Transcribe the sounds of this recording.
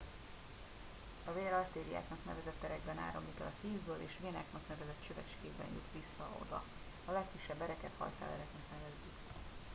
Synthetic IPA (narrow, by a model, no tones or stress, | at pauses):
ɒveːɾɒrt̪eːɾija̰ːknɒknɛ̰vɛzɛt̪ːɛɾɛɡbɛna̰ːɾo̰mlikɛlɒsiːvbøːlʔḛːʃveːnaːknɒknɛvɛzɛt̪t͡ʃøvɛt͡ʃkeːbɛ̰njṵt̪ʋisːɒo̞̰d̪ɒ̰ | ɒlɛkːiʃːɛbːɛɾɛkɛt̪hɒ̰lsa̰ːlɛ̰ɾɛknɛknɛlɛzːyk